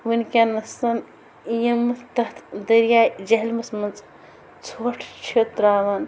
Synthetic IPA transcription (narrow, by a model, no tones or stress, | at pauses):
ʋɨnʲkʲanɐsɐn | jɐmːɨt̪ɐɦt̪ʰd̪ɐɾjaːd͡ʒɐɦlmɐsmɐnt͡sʼ | t͡sʰoːʈʰt͡ʃʰet̪ɾaːʋan